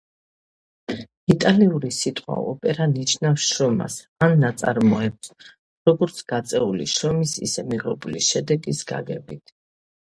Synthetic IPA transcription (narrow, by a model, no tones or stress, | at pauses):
it̪ʼaliuɾisit̪ʼχʼwa̰ɔpʼɛɾanit͡ʃʰnafsʃɾɔma̰s | anːat̪sʼaɾmɔɛp̚s | ɾɔɡɔɾt̪sʰɡ̥at̪sʼɛulḭʃɾɔmisḭsɛmiʁɛbuliʃɛd̪ɛɡisɡ̥a̰ɡɛbit̪ʰ